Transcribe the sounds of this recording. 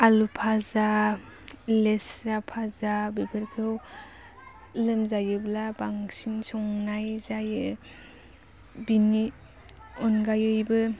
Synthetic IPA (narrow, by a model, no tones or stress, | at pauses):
alupʰaza | lesɾapʰazabipʰɯɾkʰɯw | lɯmzajɯblabaŋsinsɔŋnajzajɯ | bini | ɔnɡajɯjbɯ